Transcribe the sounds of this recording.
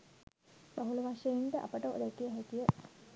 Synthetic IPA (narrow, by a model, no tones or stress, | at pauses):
b̥aɦuluʋaʂejinʈəʔa̰pəʈəʔo̰d̪ɛkijəɦæt̪ijə